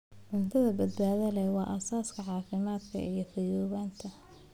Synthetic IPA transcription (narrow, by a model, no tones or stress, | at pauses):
ʕʊnt̪ʰɐðɐbɐd̪baːðɐlɛjwɑːʔɐsaːskʰɐʕɑːfɪmaːd̪kʰɐ̰ʔijɞfɐjɔːɣaːnt̪ʰɐ